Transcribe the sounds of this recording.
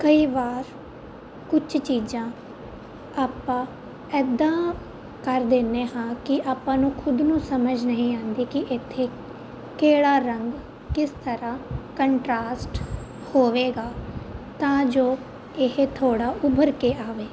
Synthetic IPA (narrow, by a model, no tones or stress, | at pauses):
kəiːʋaːɾ | kʊt͡ʃʰt͡ʃiːd͡ʒãː | aːpːãː | ɛːd̪ãː | kəɾd̪eːneːhãːkɪʔaːpãːnũːkʰʊd̪nũːsəməd͡ʒnəɦĩːãːnd̪iːkɪʔɪt̪ʰːeː | keːɽaːɾəŋɡ | kɪst̪əɾãːkəɳʈɾaːsʈ | hoːʋeːɡaːt̪ãːd͡ʒoː | ɪɦt̪ʰoːɽaːʔʊbʱəɾkeːaːʋeː